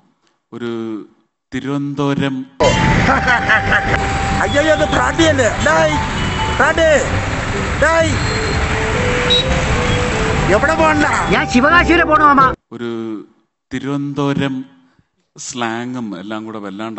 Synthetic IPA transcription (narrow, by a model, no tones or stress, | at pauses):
oɾu | t̪iɾuʋɐnd̪oːɾɐm | ɐjajoɐðɨpɾaːɖiɐlːenajpɾaːʈɖe | naːj | eʋiɽepoːɳɐlɐɲaːnɕiʋɐɣaːɕɐjɐlepoːɳɐmɐmːaoɾu | t̪iɾuʋɐnd̪oːɾɐm | slaːŋɡumḛlːaːŋɡuːɽeʋɐlːaːɳɖ